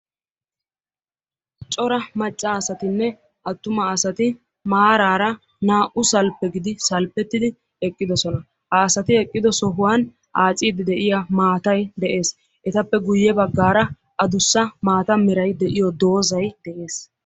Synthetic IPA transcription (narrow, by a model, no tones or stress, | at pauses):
t͡ʃʼɔɾɐmɐt͡ʃʼːɐːsɐt̪ɪnːɛ | ʔɐt̪ːʊmɐːsɐt̪ɪ | maːɾaːɾɐ | naːʔʊsɐlpːɛɡɪd̪ɪsɐlpːɛt̪ːɪd̪ɪ | ɛkʼːɪd̪ɔsɔnɐ | hɐːsɐt̪ɪɛkʼːɪd̪ɔsɔɦʊwan | ʔaːt͡sʼiːd̪ɪd̪ɛʔɪjamaːt̪ɐjd̪ɛʔe̞ːs | ʔɛt̪ɐpːɛɡʊjːɛbɐɡːaːɾɐ | ʔɐd̪ʊsːɐmaːt̪ɐmɪɾɐjd̪ɛʔɪjɔd̪o̞ːzɐjd̪̥ɛʔe̞ːs